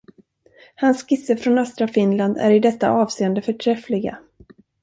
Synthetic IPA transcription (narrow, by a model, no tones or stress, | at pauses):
hanskɪsːəfɾɔnœst̪ɾafɪnland̪æ̰ɾɪd̪ɛt̪ːa̰ʔɑːvseːənd̪əfœʈʰɾɛflɪɡa̰